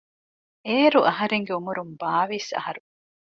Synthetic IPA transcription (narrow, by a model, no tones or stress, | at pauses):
eːɾuʔɐɦɐɾeŋɡeumuɾumbaːʋisɐ̰hɐɾu